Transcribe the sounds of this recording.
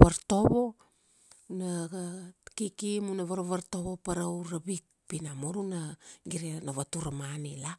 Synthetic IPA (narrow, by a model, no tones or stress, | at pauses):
βaɾto̞βo̞ | naɡakikimunaβaɾaβaɾtoβo̞paɾawɾabik̚ | pinamoɾunaɡiɾenaβatuɾamanila